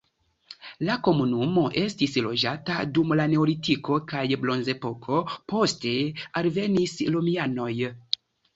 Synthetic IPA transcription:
lako̞munumo̞ʔe̞stislo̞d͡ʒata̰dumlane̞olitiko̞kajblo̞nze̞po̞kʰo̞po̞ste̞alve̞nislomiano̞j

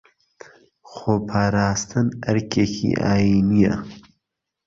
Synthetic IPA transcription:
xoːpʰaːɾaːst̪ʰɨnɐɾkʰeːkʰḭʔa̰ːjiːnijɐ̰

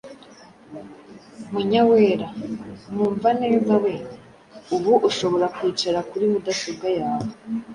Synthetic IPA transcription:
muɲaweːɾamuːɱvanejuɡawene | uβuʔuʃo̞βo̞ɾakwiːt͡ʃaɾakuɾimudasoɡajaːwoe

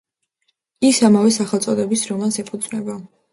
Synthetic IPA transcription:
isamavɛsaχɛlˠt̪sʼɔd̪ɛbisɾɔmansɛpʰud̪zʼnɛba

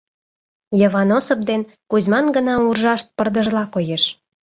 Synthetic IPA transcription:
jə̆βɑnosopd̪en | kuzmɑnɡənɑurʒɑʃt̪̚pərd̪əʒlɑkojeʃ

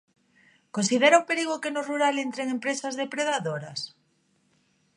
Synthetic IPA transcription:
konsið̞eɾaupeɾiɣ̞okenoruɾalent̪ɾeŋẽmpɾesazðepɾeðaðoɾas

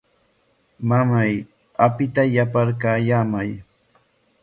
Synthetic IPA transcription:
mamaj | apɪt̪ajapaɾkaːjaːmaj

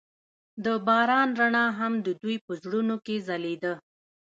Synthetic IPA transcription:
d̪əbɑɾɑnɾaɳɑɦamd̪əd̪ujpəzɽunokezaled̪ə

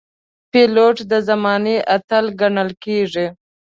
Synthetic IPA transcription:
peloʈd̪əzamɑneʔat̪əlɡaɳəlkeʐi

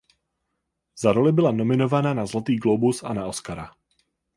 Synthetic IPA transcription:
z̥aɾolɪbɪlanomɪnovananazlat̪iːɡlobusa̰naoskaɾa̰

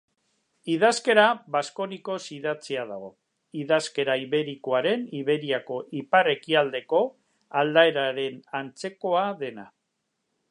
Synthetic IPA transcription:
ið̞aske̞ɾaβasko̞niko̞siðat͡siað̞aɣo̞ | iðaske̞ɾaiβe̞ɾiko̞aɾe̞niβe̞ɾiako̞ʔipare̞kiald̪e̞ko̞ | ald̪ae̞ɾaɾe̞nant͡se̞ko̞aðe̞na̰

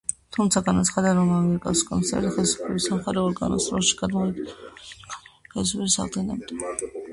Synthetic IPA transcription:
t̪ʰumt̪sʰaɡanat̪sʰχad̪aɾɔmaɡiɛɾkʼaskʼɔmsɛ̰ɾt̪χɛlsu̥pʰlɛbisamχaɾɛɔɾɡa̰nɔ̰st̪ʼɾɔlˠʃi̥ɡ̥ad̪mɔɛ | χɛls̬upʰɛɾsa̰ʁd̪ɡinɛbd̪a

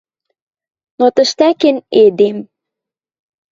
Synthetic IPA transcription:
not̪ə̆ʃt̪ækened̪em

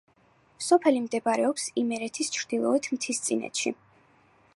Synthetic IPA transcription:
sɔpʰɛlimd̪ɛbaɾɛɔpsimɛɾɛt̪ʰist͡ʃʰɾd̪̥ilˠɔ̰ɛt̪ʰmt̪ʰist̪sʼḭnɛ̰t̪ʃḭ

